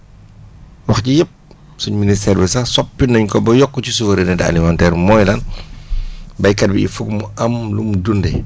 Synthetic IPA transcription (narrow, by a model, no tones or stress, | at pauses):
wɐxcijɐp̚ | suɲminis̬tɛːrbɛsɐsɔpːinɐɲkɔbɐjɔkːɔcisuvɐɾenɛdɛɐ̰limantɛːrmɔːjlɐn | bɐjkɐt̚biḭfuk̚muɐmlumdundɛ